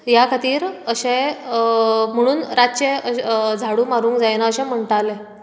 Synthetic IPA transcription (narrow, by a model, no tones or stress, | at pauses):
jakʰat̪iːɾəɕẽ | m̤əɽ̃uːnɾat͡ɕeəd͡zʱaɽuːmaɾũːŋkd͡zajnaəɕɛ̃m̤əɳʈ̪alẽ